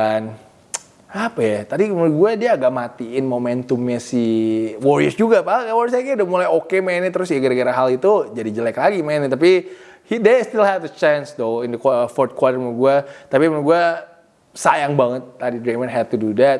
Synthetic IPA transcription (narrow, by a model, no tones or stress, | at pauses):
an | apajat̪adiməɾɡuadiaːɡaʔmat̪iɪnmomɛnt̪ʊmɲasiwɔɾiəsd͡ʒuɡapaakawɔɾəsakɛdəmulajokemainit̪əɾʊsjaɡəɾaɡaɾaɦalit̪ud͡ʒadid͡ʒəlɛklaɡimanɛt̪api | hidest̪ɪlhɛdət͡ʃɛnsdoɪndəkfɔrt̪̚kwatərmənɡuat̪apimənɡua | sajaŋbaŋət̪ːadidɾemənɦɛd̚t̪ududɛt̪̚